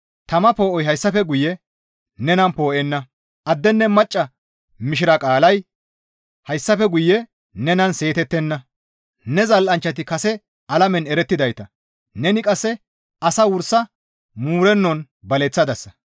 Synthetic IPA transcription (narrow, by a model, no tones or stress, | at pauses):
t̪ɐmɐpo̞ːʔɔjɦɐjsːɐfɛɡʊjːɛ | nɛnɐnpo̞ːʔɛnːɐ | ʔɐd̪ːɛnːɛmɐt͡ʃʼːɐ | mɪʃɪɾɐkʼaːlɐj | hɐjsːɐfɛɡʊjːɛ | nɛnɐnse̞ːt̪ɛt̪ːɛnːɐ | nɛzɐlʔɐnt͡ʃːɐt̪̬ɪkɐsɛ | ɐlɐmɛnɛɾɛt̪ːɪd̪ɐjt̪ɐ | nɛnɪkʼɐsːɛ | ʔɐsɐwʊɾsɐ | muːɾɛnːɔn | bɐlɛt͡sːɐd̪ɐsːɐ̥